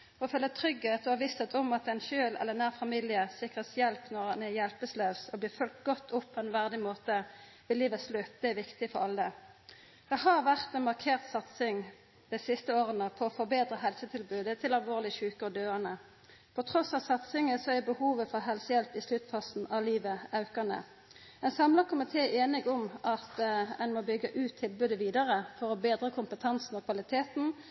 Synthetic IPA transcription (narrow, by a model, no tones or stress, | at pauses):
ɔfølət̪ʰʁʏɡheːt̪ɔhɑʋɪst̪ʰət̪ʰɔmɑt̪ɛɪnʃøːlɛ̰lːəʁnæːʁfɑmiːlɪəsɪkʁəsjɛlpnɔʁɑnɛjɛlpəsløːsɔbliːʁfœlkt̪̚ɡɔt̪ʰːʊpʰːɔɛnʋæʁd̪ɪmoːt̪ə | ʋɪliːʋəsløːp̚d̪ɛɛʋɪkt̪ɪfɔʁɑlːə | d̪̥ɛɦɑʁʋæʁt̪ɛnmɑʁkʰeːʁt̪sɑt̪sɪŋ | d̪̥æɪsɪst̪əoːʁənəpʰɔfɔbeːd̪ɾəɦɛlsət̪ʰɪlbʉːd̪ət̪ʰɪlɑlʋoːʁlɪçʉːkəɔd̪øːɑnə | pʰɔt̪ʰʁɔsɑʋsɑt̪sɪŋəsɔæbəhuːʋəfɔɾɦɛlsəjɛlpɪslʉt̪fɑsn̩ʔɑʋliːʋəɑʉkɑnə̰ | ɛnsɑmlɑkʰʊmɪt̪ʰeːʔeːnɪɡʊmʔɑt̪ɛnmobʏɡːəʔʉːt̪ʰːɪlbʉːd̪əʋiːd̪ɑʁəfɔʁɔbeːd̪ʁəkʰʊmpət̪ʰɑnsn̩ɔkʰʋɑlɪt̪ʰeːt̪n̩